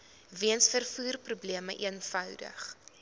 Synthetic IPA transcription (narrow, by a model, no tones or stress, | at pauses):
viənsfərfuːrprubliəməʔiənfœwdə̰χ